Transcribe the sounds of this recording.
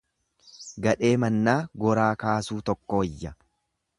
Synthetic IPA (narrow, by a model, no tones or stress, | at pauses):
ɡɐᶑe̞ːmɐnːaːɡɔɾaːkaːsuːt̪ɔkːoɪjːɐ